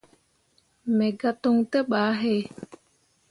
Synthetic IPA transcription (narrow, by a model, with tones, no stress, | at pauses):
mɛ˨ɡa˨t̪o˨ŋt̪ə˦ɓaː˨˦ɦe˦